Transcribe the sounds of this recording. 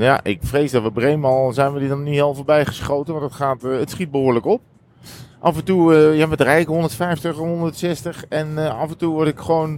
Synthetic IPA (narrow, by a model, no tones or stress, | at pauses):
ja̰ʔɪ̰kfrejzdɑtʋəbrejmɑlˠzɛjnʋədidɔnniɦɪːlˠvəɹbɛjχəsχowtənʋɑntdətχaːtətsχit̚bəɦʊːɹləkɔp̚ | ʔɑfəntuəjaʋədrɛjɪkɦɔndəɹtfɛjftəχɛnɦɔndətsɛstəχɛnɑfəntuʋɔɹtɪkχəʋown